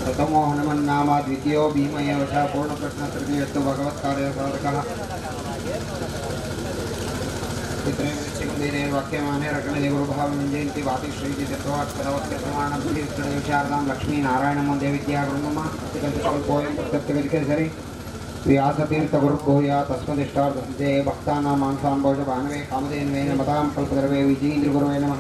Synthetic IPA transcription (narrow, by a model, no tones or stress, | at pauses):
pɾɐt̪ɐmoːɦɐnɐmɐnːaːmaːd̪ʋit̪ijoːbʱiːmɐjɐʋɐʃaːpuːɾɳɐpɾɐʃnɐsɾit̪ijɐt̪ubʱɐɡɐʋɐt̪̚kaːɾjɐɐsaːd̪ɐkɐɦɐ | t͡ʃit̪ɾeːmd̪ɐt̪ːikɐnd̪iːd̪eːɾʋaːkjɐmaːmeːɾɐkɐɳɐd̪eːʋɐɾubʱaːʋɐmɐɲd͡ʒɐjɐnt̪ibaːt̪iʃɾiːt̪it͡ʃɐt̪ːɐʋaːt̪kɐd̪ɐʋɐt̪kɐt̪ɾɐmaːɳɐbʱɐliʋit̪ːɐɽɐɐʋit͡ʃaːɾɐd̪aːmlɐkʂmiːnaːɾaːjɐɳɐmɐnd̪jɐʋid̪jaːɾɐnɐmɐɐt̪ːɐkɐnt̪ɐʃɐlpoːjɐmpɐskɐt̪jɐʋjɐd̪ikɐɾisɐɾi | ʋjjaːsɐt̪iːɾt̪ɐɡuɾuɡʱoːjaːt̪ɐsmɐd̪iʂʈaːɾd̪ʱɐnt̪eːbʱɐk̚t̪aːnaːmaːnsaːmbʱɐwʃɐbʱaːnɐʋeːkaːmɐd̪eːnʋeːnɐmɐt̪aːmpɐlpɐɡ̪ɐɾɐʋeːʋid͡ʒijnd̪ɾiɡuɾʋeːnɐmɐ